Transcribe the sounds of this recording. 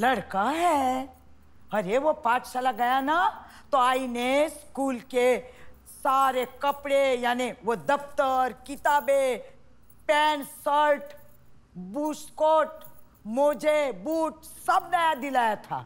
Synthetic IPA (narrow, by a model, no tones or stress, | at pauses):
lɐɽkaɦɛ | ɐɾeʋopaːt̪ʃalaɡɐjana | t̪oaːineskuːlke | saːɾekɐpɽejaːniʋod̪ɐft̪əɾkɪt̪aːbe | pɛːnsəɾʈ | buːskoːʈ̚ | moːd͡ʒʱebuːʈsɐbnajad̪ɪlaːjat̪ʰa̰ː